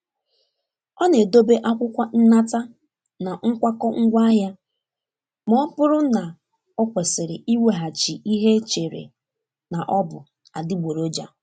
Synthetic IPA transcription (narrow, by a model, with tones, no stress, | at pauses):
ɔ˦ne˨do˦be˦ʔa˦kʷʊ˦kʷa˦n̩˦na˦ta˦ | na˨ŋ̩˦kʷa˦kɔ˦ŋ̩˦ɡʷa˦ɦja˦ | m˦ɔ˦pʊ˦ɾʊ˦na˨ | ɔ˦kʷe˨sɪ˨ɾɪ˨i˦we˨ɦa˨t͡ʃi˨i˦ɦe˦t͡ʃe˨ɾḛ˨ | na˨ʔɔ˦bʊ˨ | a˨dɪ˦ɡ͡bʷo˨ɾo˦d͡ʒa̰˨